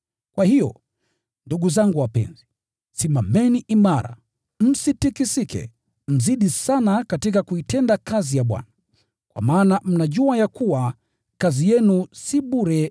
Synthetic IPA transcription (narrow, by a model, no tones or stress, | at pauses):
kwahijɔ̰ | nduɠuzaŋɡuwapɛ̰nzi | simamɛniʔimaɾa̰ | m̩sitikisikɛ̰ | m̩ziɗisanakatikakuitɛndakazijaɓwa̰na | kwa̰maːnam̩naʄuajakuwa | kazijɛnusiɓuɾɛ